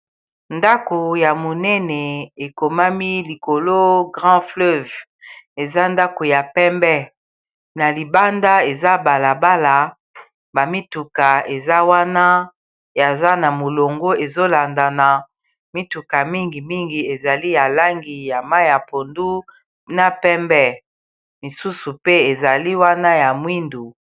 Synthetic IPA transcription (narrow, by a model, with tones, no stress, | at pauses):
nda˦ko˨ja˨mo˨nɛ˦nɛ˨e˨ko˨ma˦mi˦li˨ko˨lo˦ɡʁɑ̃˦flø˦v | e˨za˦nda˦ko˨ja˨pɛ˦mbɛ˦ | na˨li˨ba˦nda˦e˨za˦ba˨la˨ba˦la˨ | ba˨mi˦tu˨ka˨e˨za˦wa˦na˦ | ja˨za˦na˨mo˨lo˨ŋɡo˦e˨zo˦la˨nda˨na˨ | mi˦tu˨ka˨mi˦ŋɡi˨mi˦ŋɡi˨e˨za˨li˦ja˨la˦ŋɡi˨ja˨ma˦ja˨po˨ndu˦ | na˨pɛ˦mbɛ˦ | li˨su˦su˨pe˦e˨za˨li˦wa˦na˦ja˨mwi˦ndu˨